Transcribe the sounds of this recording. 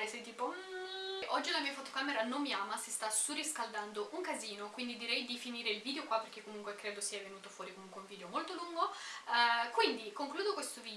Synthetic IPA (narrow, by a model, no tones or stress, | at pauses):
esɛjt̪iːpom̩ʔɔd͡ʒːiunamiːafot̪okaːmeɾanomːiaːmasist̪asurːiskald̪and̪oʔuŋkaziːnokwind̪id̪iɾɛjd̪ifiniːɾeilviːd̪eokwapːerk̟ekːomuŋkwekɾeːd̪osiɛvenuːt̪ofwɔːɾikomuŋkweuɱviːd̪eomolt̪oluŋɡo | kwind̪ikoŋkluːd̪okwest̪oviː